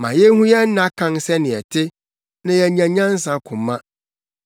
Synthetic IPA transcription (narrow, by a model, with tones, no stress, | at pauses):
mã˨jɛ˦hũ˦jɛ˦n̩˦nã˦kʰã˦nsɛ˦nɪ̃˨ɛ˨tʰɪ˦ | nã˦jɛ˨˦ɲã˨ɲã˦n˦sã˨˦kʰʊ̃˨mːã˦